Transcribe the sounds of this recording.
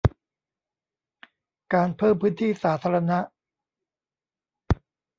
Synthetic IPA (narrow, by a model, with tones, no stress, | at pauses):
kaː˧npʰɤː˥˩mpʰɯː˦˥nt̪ʰiː˥˩saː˩˦t̪ʰaː˧ɾa˧na˦˥ʔ